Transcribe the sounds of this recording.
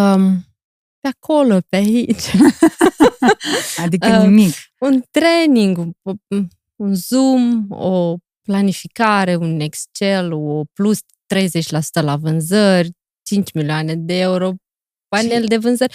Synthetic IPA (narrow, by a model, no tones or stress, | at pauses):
m | peakʰo̞lo̞peait͡ʃʲ | ad̪iənimikunt̪ɾe̞niŋɡ | unzumo | planifikaɾe̞une̞kst͡ʃeloplus | t̪ɾe̞jze̞t͡ʃʲlasu̥t̪əlavɨnzərʲ | t͡ʃint͡ʃʲmilioane̞d̪eeuɾo̞ | pane̞ld̪e̞vɨnzərʲ